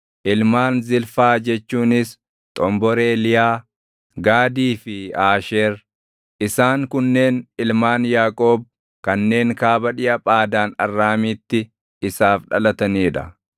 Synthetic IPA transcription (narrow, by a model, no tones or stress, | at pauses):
ʔɪlmaːnzɪlfaːd͡ʒɛt͡ʃːuːnɪs | t̪ʼɔmbɔɾeːlɪjaː | ɡaːd̪iːfɪaːʃeːɾ | ʔɪsaːŋkʊnːe̞ːnɪlmaːnjaːkʼoːb̚ | kɐnːe̞ːŋkaːbɐᶑɪʔɐpʼaːd̪aːnɐrːaːmiːt̪ːɪ | ɪsaːfᶑɐlɐt̪ɐniːᶑɐ̰